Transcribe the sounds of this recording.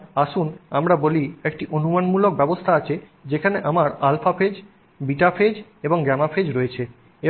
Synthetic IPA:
aʃunamɾaboliek̚ʈiʔonumanmulok̚bɛbost̪ʰaat͡ɕʰe | d͡ʑekʰaneʔamaɾalfafed͡ʑ | biʈafʰed͡ʑeboŋɡɛmafʰed͡ʑɾoet͡ɕʰe | e

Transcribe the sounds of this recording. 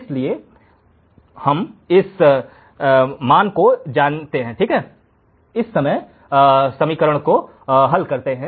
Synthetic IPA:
ɪslie | hɐmɪs | maːnkod͡ʒaːnt̪eɦɛ̃ʈʰiːkɦɛː | ɪsːɐməj | sɐmiːkəɾəɽ̃ko | ɦɐlkɐɾt̪eɦɛ̃

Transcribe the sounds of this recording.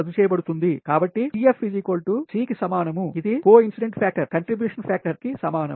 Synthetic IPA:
ɐd̪ut͡ʃɛːjɐbɐɽut̪und̪ikaːbɐʈːiiefpːid͡ʒikoːlʈusiːkisɐmaːnɐmuid̪ikoːinsiɖeɳʈpʰaːk̚ʈɐɾkɐɳʈɾibjuːʂɐnpʰaːk̚ʈɐɾkisɐmaːnɐm

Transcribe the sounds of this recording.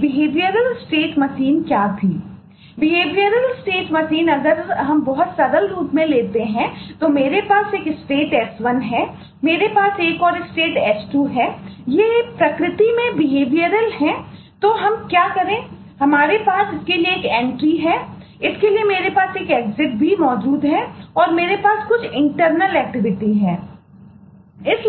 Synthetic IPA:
ʋɪɦeːʋijəɾəlsʈeːʈmɐsiːnkjaːt̪ʰiː | ʋɪɦeːʋiəɾəlsʈeːʈmɐsiːnɐɡəɾɦɐmbɔɦʊt̪sɐd̪əlɾuːpmẽleːt̪eɦɛ̃t̪omeːɾepaːseːkɪsʈeːʈɛːsʋɐnɦɛː | meːɾepaːseːkɔːɾɪsʈeːʈɛːsʈuɦɛjepɾɐkɾɪt̪imẽbɪɦeːʋijəɾəlɦɛ̃ | t̪oːɦɐmkjaːkɐɾẽː | ɦɐmaːɾepaːsɪskelieːkɛ̃ːɳʈɾiɦɛː | ɪskeliemeːɾepaːseːkeːkzɪʈ̚bʱimɔːd͡ʒuːd̪ɦɛɔːɾmeːɾepaːskʊt͡ʃʰɪ̃ɳʈəɾnəlɛːk̚ʈɪʋɪʈiɦɛː | ɪs

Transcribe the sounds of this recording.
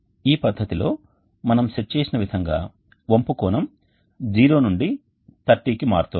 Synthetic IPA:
iːpɐd̪ʱːɐt̪ilo̞ː | mɐnɐmʃet͡ʃːeːsinɐʋid̪ʱɐŋɡa̰ː | ʋompukɔːnɐm | d͡ʒiːɾo̞ːnuɳɖi | t̪ɐʈːiːkimaːɾt̪uː

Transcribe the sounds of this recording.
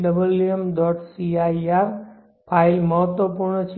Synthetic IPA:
ɖəbəljəmɖ̪ɔʈsiaiaɾ | pʰailməɦət̪wʋəpuɾɳət͡ʃʰ

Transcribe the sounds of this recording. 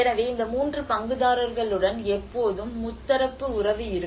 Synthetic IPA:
ɛnɐʋeːɪnd̪ɐmuːndrɯpɐŋɡɯðaːɾɯɾɣɐɭɯɽɐnɛpːoːðɯmːʊt̪ːɐɾɐpːɯʊɾɐʋɯɪɾɯ

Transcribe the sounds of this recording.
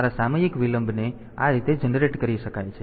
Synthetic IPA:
aɾasaməd͡ʒikʋiləmbʱne | a̰ɾit̪ed͡ʒənɾeʈkəɾiʃəkajt͡ʃʰe

